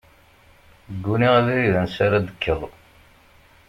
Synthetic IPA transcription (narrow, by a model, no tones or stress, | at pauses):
ɡːuniʁæðiɾiðænsaɾad̪əkʰːəðˤ